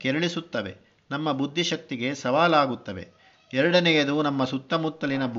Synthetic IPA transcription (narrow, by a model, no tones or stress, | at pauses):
kɛɾɐɭisut̪ːɐʋe̞̰ | nɐmːɐbud̪ʱːiʃɐk̚t̪ːiɡe̞sɐʋaːlaːɡut̪ːɐʋe̞̰ | ɛɾɐɽɐnɛjɐd̪unɐmːɐsut̪ːɐmut̪ːɐlinɐb